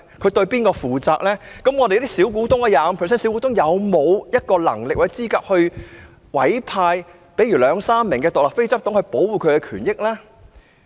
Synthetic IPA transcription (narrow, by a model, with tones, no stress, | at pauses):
kʰɵ˨˧ɥt̪ɵ˧ɥpiː˥nkɔː˧fuː˨t͡saː˧k̚lɛː˥kɐ˨˥mŋɔ˨˧t̪e˨j̪i˥siː˨˥wk̬uː˨˥t̪ʊ˥ŋɐː˧jaː˨mpʰːs̬ɛ˥si˨˥kuː˨˥t̪ʊ˥ŋjɐ˨˧wmo˨˧wjɐ˥t̚kɔː˧lɐ̰˨˩ŋlɪ˨k̚aː˨˩sɛ˥t͡siː˥kaː˧k̚hɵ˧ɥ | wɐ˨˥jpʰaː˧j | pe˨˥jɥy˨˩lœː˨˧ŋsaː˥mːɪ˨˩ŋkɛ˧t̪ʊ˨k̚laː˨˩fe˥jt͡sɐ˥p̚t̪ʊ˨˥ŋhɵ˧ɥpo˨˥wwuː˨kʰɵ˨˧ɥɛ˧kʰyː˨˩njɪ˥k̚laː˥